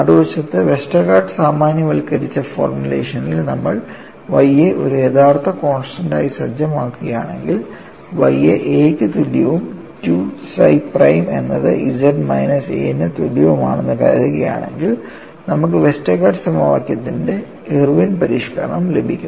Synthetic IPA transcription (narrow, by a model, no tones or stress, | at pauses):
ɐɽuʋɐt͡ɕːɐt̪ːɨʋe̞sʈɐkːaːɖɨsaːmaːnjɐʋɐlkːɐɾit͡ɕːɐfo̰ːrmulḛːʂɐnilnɐmːɐɭ | ʋɐjeʔo̞ɾujet̪ʰaːrt̪ʰːɐkoːnsʈɐnda̰ːjisɐd͡ʑɐmaːkːuɣɐja̰ːɳe̞ŋɡil | ʋɐjeʔeːkːɨt̪uljɐʋum | tuːsɐ̰jprɐjme̞̰nːɐðɨ̰ʔid͡ʑɐɖmɐ̰jnɐsḛːnɨt̪uljɐʋuma̰ːɳenːɨkɐ̰ɾɐðuɣɐja̰ːɳe̞̰ŋɡil | nɐmuk̬ːɨʋe̞sʈekːaːɖɨsɐmɐʋa̰ːkʲːjɐt̪ːinde̞ | irʋinpɐɾiːʂkɐɾɐɳɐmle̞bʱikʲːum